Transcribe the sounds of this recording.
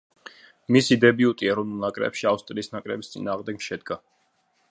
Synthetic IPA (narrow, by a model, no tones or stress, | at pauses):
misid̪ɛbiut̪ʼiɛɾɔvnulˠnakʼɾɛ̰pʃiafst̪ʼɾiːsnakʼɾɛbist̪sʼḭnaːʁmd̪ɛkʃɛd̪ɡa